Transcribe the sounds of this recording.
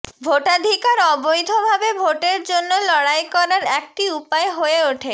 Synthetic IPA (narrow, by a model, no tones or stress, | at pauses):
bʱoʈad̪ʱikaɾɔbojd̪ʱobʱabebʱoʈeɾd͡ʑonːolɔɽajkɔɾaɾɛk̚ʈiupaeɦoeoʈʰe